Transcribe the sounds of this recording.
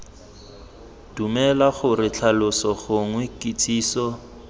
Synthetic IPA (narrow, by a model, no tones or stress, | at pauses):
d̥umɛlaχʊrɪt͡ɬʰalʊsɔɣʊŋwekʼit͡sʰʼiːsɔ